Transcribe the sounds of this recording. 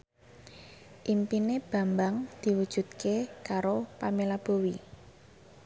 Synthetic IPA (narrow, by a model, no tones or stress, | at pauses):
ʔimpineb̥ä̤mbaŋd̪̥i̤wud̥ʒ̥ṳt̪̚kekaɾopamilab̥o̤wi